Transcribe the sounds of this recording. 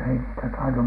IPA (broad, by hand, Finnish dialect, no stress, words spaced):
ei niːtæ tɑinu